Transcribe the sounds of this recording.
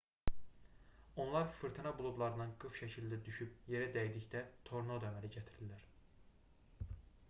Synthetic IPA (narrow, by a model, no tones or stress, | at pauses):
o̞nlˠɑɾfɯɾt̪ʰɯnɑbulˠublˠɑɾɯnɯnɡɯfʃæcʰild̪æd̪yʃyp̚je̞ɾæd̪æjd̪icd̪æt̪ʰo̞ɾnod̪ømæɾiɟæt̪ʰiɾilæɾ